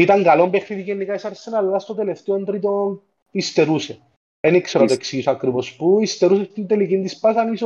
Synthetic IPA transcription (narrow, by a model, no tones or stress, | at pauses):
it̪ɐŋɡɐlombexniðiʝenːikaisɐɾsːenɐlːɐst̪ot̪eleft̪eont̪ɾit̪on | ist̪eɾuse | enikseɾɐt̪oeksijisɐkɾivospuist̪eɾus̬est̪ind̪elikind̪ispasɐniso